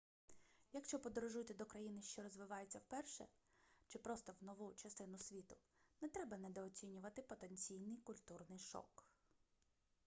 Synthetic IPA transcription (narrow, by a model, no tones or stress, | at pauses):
jɐkʃt͡ʃɔpɔd̪ɔɾɔʒut̪ʲɐd̪ɔkɾɐjinɪʃt͡ʃɔɾɔzʋɪʋɑjet͡sʲːɐwpɛrʃɛ̰t͡ʃɪpɾɔst̪ɔwnɔʋut͡ʃɐst̪ɪnʊsʲʋʲit̪ʊ | nɛt̪ɾɛbɐnɛd̪ɔːt͡sʲinʲʊʋɐt̪ɪpɔt̪enʲt͡sʲijnɪjkʊlʲt̪urnɪjʃɔ̰k